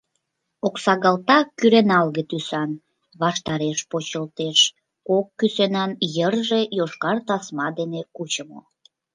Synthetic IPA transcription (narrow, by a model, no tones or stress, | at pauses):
oksɑɣɑlt̪ɑkːyɾenɑlɣet̪ysɑn | βɑʃt̪ɑɾeʃpot͡ɕəlt̪eʃ | kokːysenɑnjərʒejoʃkɑrt̪ɑsmɑd̪enekut͡ɕəmo̰